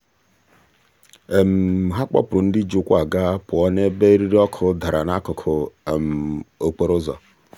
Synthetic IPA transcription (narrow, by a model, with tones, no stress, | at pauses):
e˨m̩˨ɦa˦k͡pɔ̰˦pʊ˨ɾʊ˨n̩˦di˦d͡ʒʊ˦kʷa˨ɡa˦pʊ˨ɔ˦ne˦be˦ɾi˦ɾi˦ɔ˦kʰʊ˦da˨ɾa˨na˦kʊ˨kʰʊ˨m̩˨o˨k͡pe˦ɾʊ˦zɔ̰˨